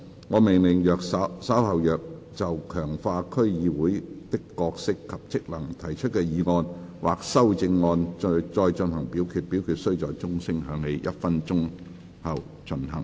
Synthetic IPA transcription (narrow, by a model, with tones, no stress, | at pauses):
ŋɔː˨˧mɪ˨˩ŋlɪ˨˩ŋjœː˨k̚ssɐ˨˥whɐ˨wjœː˨k̚ | t͡sɐ˨wkʰœː˨˩ŋfaː˧kʰɵ˥ɥjiː˨˧wuː˨˥jt̪ɪ˥kːɔː˧k̚sɪ˥kʰːɐ˨p̚t͡sɪ˥k̚lɐ˨˩ŋt̪ʰɐ˨˩jt͡ʃʰɵ˥t̚kɛː˧jiː˨˧ŋɔː˧nwa̰ː˨k̚sɐ˥wt͡sɪ˧ŋːɔː˧nt͡ʃɔː˧jt͡ʃə˧nɦɐ˨˩ŋpiː˨˥wkʰyː˨t̚piː˨˥wkʰyː˨t̚sɵ˥ɥt͡sɔː˨jt͡sʊ˥ŋsɪ˥ŋɦœː˨˧ŋne˨˧jjɐ̰˥t̚fɐ˥nt͡ʃʊ˥ŋ | hɐ˨w | t͡ʃʰɵ˨˩nhɐ̰˨˩ŋ